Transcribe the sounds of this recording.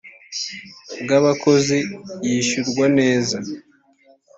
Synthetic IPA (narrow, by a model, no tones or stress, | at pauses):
ɡaβako̞zijiːʃuɾɡwane̞ːza